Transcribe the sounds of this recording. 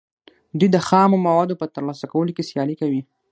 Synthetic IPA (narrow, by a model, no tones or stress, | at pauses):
d̪ujd̪əxɑmomawɑd̪opət̪əɾlɑsakawəlokesjɑlikawi